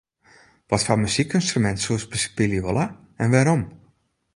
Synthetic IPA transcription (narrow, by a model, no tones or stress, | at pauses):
ʋɔtfaməsikynstrymɛntsuəsbəsə̥piljiʋolˠa | ɛnʋaɾom